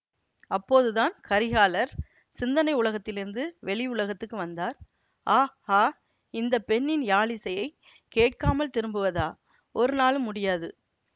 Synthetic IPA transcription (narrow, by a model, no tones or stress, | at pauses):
ɐpːoːðɯðaːnkɐɾɪɣaːlɐɾ | sɪnd̪ɐnɐɪʊlɐɣɐt̪ːɪlɪɾɯnd̪ɯʋɛɭɪʊɭɐɣɐt̪ːɯkːɯʋɐnd̪aːɾ | ʔaːhaː | ɪnd̪ɐpɛɳːɪnjaːɭɪsɐjɐɪ | keːʈkaːmɐlt̪ɪɾɯmbɯʋɐðaː | ɔɾɯnaːlɯmːʊɽɪjaːðɯ